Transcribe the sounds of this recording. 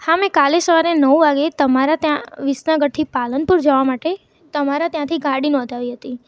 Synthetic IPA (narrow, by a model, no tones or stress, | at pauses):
hamẽkalesəʋaɾenəuʋaɡet̪əmaɾat̪jãʋisnãɡəɽ̚t̪ʰipalənpuɾd͡ʒəʋamaʈe | t̪əmaɾat̪jãt̪ʰiɡaɽinɔ̃d̪ʱaʋiɦət̪i